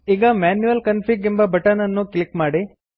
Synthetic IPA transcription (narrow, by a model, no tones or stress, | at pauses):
iːɡɐmaːnjuʋɐlkɐnpʰiːɡimbɐbʱɐʈaːnɐnːuklikmaːɽi